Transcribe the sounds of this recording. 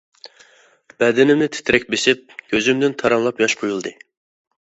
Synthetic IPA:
b̥ɛd̪ɪnɪmnɪt̪ʰɪ̥t̪ʰɾɛk̚ʲbeʃɪp̚ɡʲʰøzymd̪ɪnt̪ʰɑɾɑmlˠɑpjɑʃqʰojulˠd̪ɨ

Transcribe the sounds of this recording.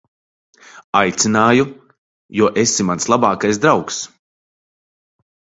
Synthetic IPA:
ajt̪sʲinaːju | juɔʔesimanslˠabaːkajs̬d̪ɾawks

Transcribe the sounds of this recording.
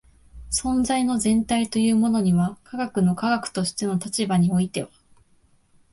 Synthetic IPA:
sõ̞nzaino̞zẽ̞nt̪ait̪o̞jɯ̟ːmo̞no̞ɲ̟iβakʰaɡakɯ̟no̞kaɡakɯ̟̥t̪o̞ɕi̥t̪e̞no̞t̪at͡ɕibaɲ̟io̞it̪e̞βa

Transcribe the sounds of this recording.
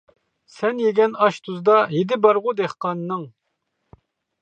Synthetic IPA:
sɛnjeɡʲɛnɑʃt̪ʰuzd̪ɑjed̪ɪbɑɾʁʊd̪eχqɑnːɨŋ

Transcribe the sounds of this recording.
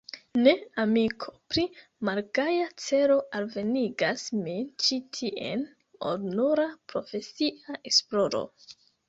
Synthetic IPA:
ne̞amikʰo̞̥pɾimaɾɡajat͡se̞ɾo̞ʔalve̞niɡasmit͡ʃitʰiʔḛn | o̰dnoɾapɾo̞fe̞siʔaʔe̞splo̞ɾo̞̰

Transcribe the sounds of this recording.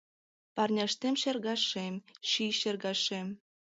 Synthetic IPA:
pɑrnʲɑʃt̪emʃerɣɑʃemʃiʃerɣɑʃem

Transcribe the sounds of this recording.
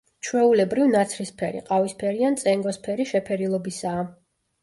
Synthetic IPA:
t͡ʃʰwɛulɛbɾivnat̪sʰɾispʰɛɾḭqʼavispʰɛɾiant̪sʼɛŋɡɔspʰɛɾiʃɛpʰɛɾilˠɔbisaː

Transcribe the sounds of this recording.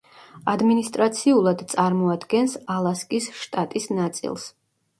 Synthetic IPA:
ad̪minist̪ʼɾat̪sʰiulˠad̪t̪sʼaɾmɔad̪ɡɛnsalˠaskʼisʃt̪ʼat̪ʼisnat̪sʼḭlˠs

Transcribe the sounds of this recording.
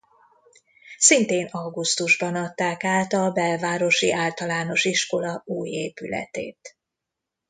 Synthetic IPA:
sint̪eːnɒɡust̪uʒbɒnɒt̪ːaːkaːlt̪ɒbɛlvaːɾo̞ʃiʔaːlt̪ɒlaːno̞ʃiʃko̞lɒuːjeːpylɛ̰t̪ḛːt̪

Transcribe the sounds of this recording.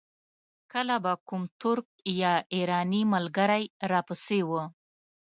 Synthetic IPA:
kəlabakʊmt̪ʊɾk̚jɑiɾɑnimalɡaɾajɾɑpəsewə

